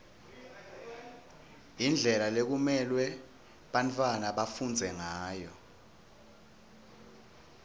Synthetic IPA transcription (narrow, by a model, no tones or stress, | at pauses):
ind͡ɮʱɛlalek̬umɛlwɛ | ɓantʰʼwanaɓafund͡zʱɛŋaːjɔ